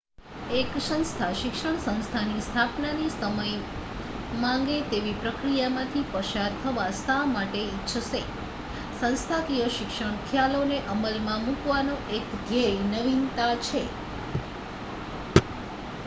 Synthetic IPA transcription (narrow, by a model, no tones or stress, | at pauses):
eksə̃nst̪ʰaʃɪkʃəɳsə̃ñst̪ʰanist̪ʰapnanisəməj | mãŋɡet̪eʋipɾəkɾijamãt̪ʰipəʃaɾt̪ʰəʋasamaʈeitːʃʰəse | sə̃nst̪ʰak̪ijəʃɪkʃəɳ̃kʰjaloneʔəməlmãmũkʋanoʔekɡ̪ʱejnəʋint̪at͡ʃʰe